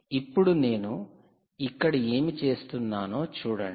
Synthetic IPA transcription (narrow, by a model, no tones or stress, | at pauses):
ipːuɽune̞ːnu | ikːɐɽie̞ːmit͡ʃe̞ːst̪unːaːno̞ːt͡ʃuːɽɐ̰ɳi